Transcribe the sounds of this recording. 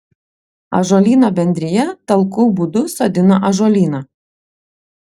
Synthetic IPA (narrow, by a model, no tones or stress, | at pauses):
ɐ̰ʒɔːlʲiːnobʲɛnʲd̪ʲɾʲɪjɛt̪ɐlˠkuːbʊd̪ʊsoːd̪ʲɪnɐʔɐʒɔːlʲiːnɐ